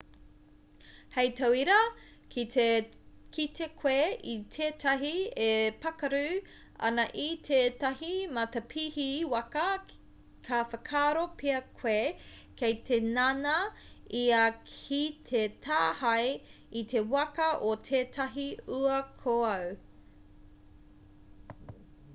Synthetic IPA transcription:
hejt̪ɐwiɾɐ | kʰit̪ekʰweit̪ʰeːtʰɐɦiepɐkɐɾʉ | ɐ̰nɐʔitʰeːtɐɦimɐt̪ɐpʰihiwɐkɐ | kʰɐfɐkʰaːɾopʰeɐkʰwe | kʰejt̪ʰenɐnɐ | iɐkʰit̪ʰetʰaːhɐj | it̪ʰe̞wɐkɐʔot̪ʰeːtʰɐɦiʉɐkʰoɐw

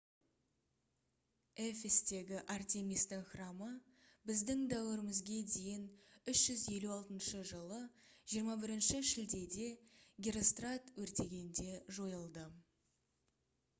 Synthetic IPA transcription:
efest̪e̞ɡʲɪʔart̪ʲe̞mijst̪ɪŋχrɑmə | bɪzd̪ɪŋd̪æwɪɾɪmɪzɡʲed̪e̞jɪnʏʃʒ̥ʏzje̞luɑlˠt̪ənʃəʒəlˠəʒijəɾmɑbɪɾɪnʃɪʃɪld̪e̞d̪e̞ɡʲiɾo̞st̪rat̪wɵɾt̪e̞ɡʲe̞nd̪e̞ʒo̞jəlˠd̪ə

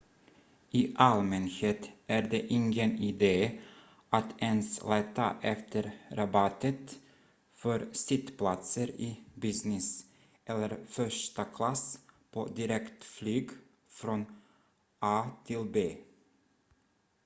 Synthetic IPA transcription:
ʔɪːʔalmɛnheːt̪æɾd̪eʔɪŋɡənɪd̪eː | at̪ɛnslɛt̪ːa̰ʔɛft̪ʰəɾɾabɑt̪ːət̪ | fœɾsɪt̪pʰlat̪səɾibɪsnɪs | ʔɛlːəɾfœʂʈakʰlaspʰo̰ːd̪ɪɾɛkt̪flyːɡ | fɾɔn | ʔɑːt̪ʰɪlbeː

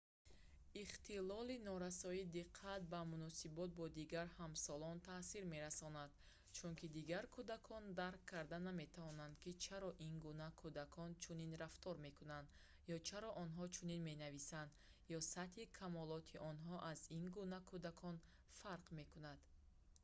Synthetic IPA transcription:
iχt̪ʰilɔlinɔɾasɔid̪iqʰːat̪̚bamunɔsibɔt̪̚bɔd̪iɡaɾhamsɔlɔnt̪ʰasiɾme̞ɾasɔnad̪̥ | t͡ʃʰuŋkid̪iɡaɾkʰud̪akʰɔnd̪aɾqʰːaɾd̪aname̞t̪ʰavɔnand̪kit͡ʃʰaɾɔʔinɡunakʰud̪akʰɔnt͡ʃʰuninɾaft̪ʰɔɾme̞kunand̪ | jɔt͡ʃʰaɾɔʔɔnɦɔt͡ʃʰuninme̞navisand̪ | jɔsat̪hikʰamɔlɔt̪ʰiʔɔnɦɔʔazinɡunakʰud̪akʰɔn | faɾqme̞kunad̪̥

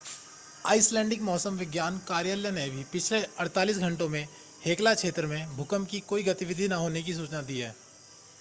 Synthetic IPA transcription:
a̰ːɪslɛ̃ːɳɖɪkmɔːsəmʋɪɡjaːnkaːɾjəljənebʱipɪt͡ʃʰleɐɾt̪aːliːs̬ɡʱɐ̃ɳʈõmẽ | heːklakʃʰeːt̪ɾəmẽbʱʊkəmkikoːiɡɐt̪ɪʋɪd̪ʱinaɦoːnek̬is̬uːt͡ʃnad̪iːɦɛː

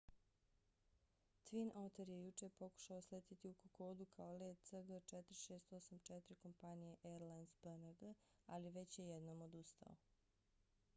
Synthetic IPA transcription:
t̪ʋinʔot̪eɾjejut͡ʃepo̞ku̥ʃaoslet̪it̪iukoko̞ːd̪ukʰaoleːt̪səɡət͡ʃet̪ɾiʃeːst̪o̞samt͡ʃɛt̪ɾiko̞mpanijeʔeɾlansbənəɡə | aliʋe̞t͡ɕjejed̪noːmo̞d̪ust̪a̰o̰

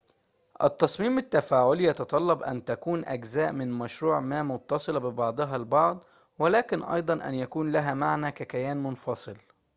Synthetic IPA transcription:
ʔɪ̰t̪ːɑsˤmiːmɪt̪ːafaːʕʊljɑt̪ɑt̪ˤɑlːɑbʔæ̰nt̪ækuːnʔæ̰ɡzæːʔmɪnmæʃɾuːʕmæːmʊt̪ːɑsˤɨlɑbɪbɑʕd̪ˤɨɦɑlbɑʕd̪ˤ | wɪlæːkɪnʔɑ̰jd̪ˤɑnʔæ̰njækuːnlæɦæmaʕnæːkækæjæːnmʊnfɑsˤɨl

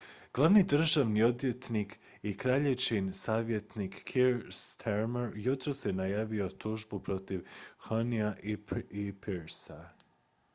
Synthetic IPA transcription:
ɡ̥lˠaʋnid̪r̩ʒaʋnio̞d̪jet̪nik | ikɾaʎeʋt͡ʃinsaːʋje̞t̪nikːʰiɾst̪ʰeɾmeɾjut̪ɾosjenajaːʋio̞t̪uʒbupɾo̞t̪iʋxoniaipʰeɾsa

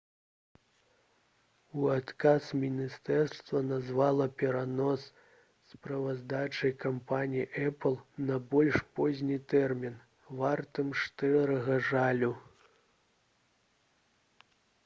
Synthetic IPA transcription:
uat̪kasmʲinʲist̪ɛrst̪vɐnazvalˠɐpʲɛɾanɔs | spɾɐvazd̪at͡ʂɐjkampanʲijiʔɛplˠnɐbɔlʲʂpɔzʲnʲit̪ɛrmʲin | vart̪ɨmt͡ʂt̪ɛɾɐɣɐʐalʲu

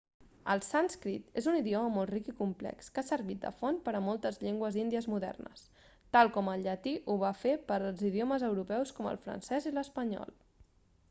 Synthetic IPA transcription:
ə̰lˠsanskɾit̪ezuniðiɔməmɔlˠt̪rikikumplɛ̰kskasəɾβit̪̚d̪ə̰fɔnpəɾəmɔlˠt̪əzʎeŋɡwəzind̪iəzmuðɛ̰rnə̰s | t̪alˠkɔməlʎət̪iʔuβafepəɾəlˠziðjoməzəwɾupɛwskɔmə̰lˠfɾə̰nsɛziləspəɲɔ̰lˠ

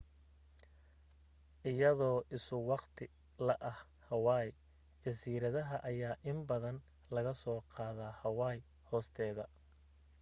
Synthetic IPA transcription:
ʔɪjɐðɔːʔɪsʊwɑqt̪ʰɪ | lɐʔɐh | hɐwɑːj | t͡ʃɐsiːɾɐðɐɦɐʔɐjaːʔɪmbɐðɐn | lɐɣɐsɔːqɑːðaːhɐwɑːj | hɔːst̪ʰɛːðɐ

